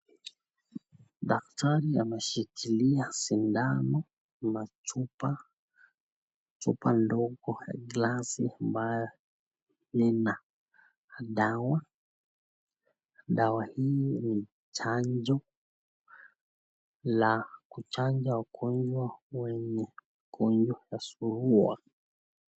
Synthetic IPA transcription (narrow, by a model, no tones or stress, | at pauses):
ɗak̚taɾia̰mɛʃikʰiliasindamɔ | mat͡ʃupa | t͡ʃṵpandɔɡɔja̰ɡlasiambajɔ | nɛna | ɗawa | ɗawahini | t͡ʃaɲd͡ʒɔ | lakut͡ʃand͡ʒawakʰɔɲd͡ʒwawɛɲɛm | kʰɔɲd͡ʒwajasuɾua̰